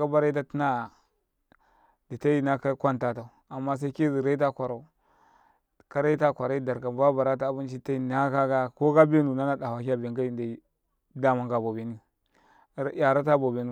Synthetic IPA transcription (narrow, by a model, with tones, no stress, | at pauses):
ka˦ba˦ɾa˦t̬a˦ti˦na˦˨ | di˨ta˦i˦na˦ka˦kʷa˦nta˦˨ta˨u˨a˨mːa˦s̬a˦i˦ki˦zi˨ɾa˦i˦t̬a˦kʷa˨ɾa˨u˦ | ka˦ɾa˦ta˦kʷa˨ɾa˦i˦da˨ɾka˨ba˦ba˨ɾa˦ta˦˨˦bu˦nt͡ʃi˦˨ta˦i˦˨n˨a˦ka˦ɡa˦ko˦ɡa˦be˦nu˨na˦na˨da˨wa˨ki˦a˦be˨ŋɡa˦i˨nda˨˦ | da˦ma˦ŋɡa˨bo˨be˨ni˦ | ja˨ɾa˦ta˦bo˨be˨nu˦